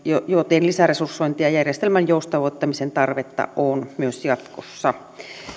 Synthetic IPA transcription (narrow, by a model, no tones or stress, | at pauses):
jojot̪enlisæresursːoint̪iɑjærjest̪elmænjoust̪ɑʋoˑt̪ːɑmisent̪ɑrʋet̪ːɑ̰onmyøsjɑt̪kosːɑ